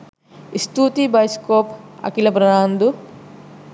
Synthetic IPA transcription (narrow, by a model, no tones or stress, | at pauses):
ist̪uːt̪ibɐjskoːpɐ̰kilɐbɾɐnaːnd̪u